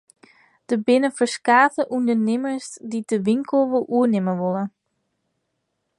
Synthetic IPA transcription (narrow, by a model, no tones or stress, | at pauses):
d̥əbɪnəfəɹskaːtəʔundənɪməsdidəʋɪŋkəlˠʋɪlʔuənɪməʋɔlˠə